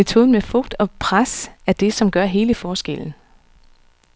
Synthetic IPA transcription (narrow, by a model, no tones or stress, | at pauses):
et͡sʰo̝ːðˠn̩mefɔ̽ɡ̥̚d̥ɒ̽pʰʁasæɐd̥e̝sɒ̽mɡ̥ɶɐɦe̝ːləfɒːsɡ̥el̰n̩